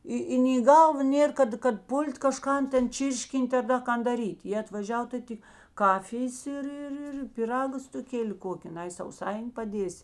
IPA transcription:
ˈɪ ɪ nʲɛɪ iː ˈɡɐlˠʋɐ ˈnʲeːr kɐt kɐt ˈpʊlʲtʲ kɐˈʃkɐn ˈtʲɛn ˈt͡ʃʲiːrʲʃʲkʲɪnʲtʲ ɐr ˈdɐ ˈkɐn dɐˈrʲiːtʲ jeː ɐtʋɐˈʒʲɛw tɐɪ ˈtʲɪ ˈkɑːfʲɪjeːs ɪr ɪr ˈɪr pʲɪˈrɑːɡɐ stʊˈkʲeːlʲɪ ˈkoːkʲɪ ˈnɐɪ sɐʊˈsɐɪnʲɪ pɐˈdʲiɛsʲɪ

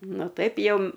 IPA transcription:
ˈnʊ ˈtɐɪp ˈjɛʊ

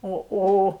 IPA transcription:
ˈoː ˈoː

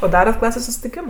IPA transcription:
oː ˈdɑːrɐt ˈklˠɑːsʲeːs sʊsʲtʲɪˈkʲɪms

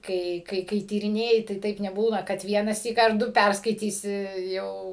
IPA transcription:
ˈkɐɪ ˈkɐɪ kɐɪ tʲiːrʲɪˈnʲeːjɪ tɐɪ ˈtɐɪp nʲɛˈbuːnɐ kɐt ˈʋʲiɛnɑːsʲiːk ɐr ˈdʊ ˈpʲærskɐɪtʲiːsʲɪ ˈjɛʊ

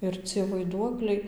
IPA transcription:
ɪr ˈt͡sʲiɛ ʋɐɪˈduɔklʲɛɪ

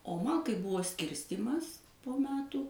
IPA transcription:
oː ˈmɐn kɐɪ ˈbʊʋoː ˈsʲkʲɪrʲsʲtʲiːmɐs poː ˈmʲæːtuː

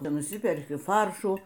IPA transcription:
nʊˈsʲɪpʲɛrʲkʲɪ ˈfɐrʃuː

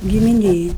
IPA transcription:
ɡʲɪmʲɪˈnʲeːj

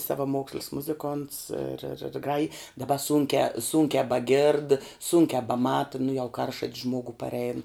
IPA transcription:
sɐʋɐˈmoːksʲlʲɪs ˈmʊzʲɪˌkoːnts ɪr ɪr ɪr ˈɡrɑːjɪ dɐˈbɐ ˈsuːŋʲkʲæː ˈsuːŋʲkʲæː bɐˈɡʲeːrt ˈsuːŋʲkʲæː bɐˈmɑːtɐ nʊ jɛʊ ˈkɐrʃɐtʲs ˈʒmoːɡʊ pɐrʲˈɛɪn

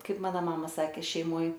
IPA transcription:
ˈkɐɪp ˈmɑːnɐ ˈmɑːmɐ ˈsɑːkʲeː ʃʲɛɪˈmoːj

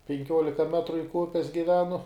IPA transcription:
pʲɛŋʲˈkʲuɔlʲɪkɐ ˈmʲæːtrʊ lʲɪŋk ˈʊpʲɛs ɡʲɪˈʋʲæːnʊ

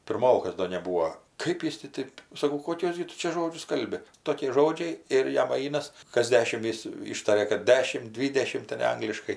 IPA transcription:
pʲɪrˈmoːkɐs ˈdoː nʲɛˈbuːoː ˈkɜp jɪs tʲɪ ˈtɜp ˈkɜp jɪs tʲɪ ˈtɜp sɐˈkɐʊ koːˈkʲuɔs ɡʲɪ ˈtʊ t͡ʃʲɛ ˈʒoːd͡ʒʲʊs ˈkɐlʲbʲɪ ˈtoːkʲɪ ˈʒoːd͡ʒʲɛɪ ɪr ˈjɛm ˈɐɪnɐs kɐs ˈdʲæːʃʲɪm ˈjɪs ˈiːʃtɐrʲɛ kɐt ˈdʲæːʃʲɪm ˈdʲʋʲiːdʲɛʃʲɪmt tʲɛnʲ ˈɐŋɡlʲɪʃkɐɪ

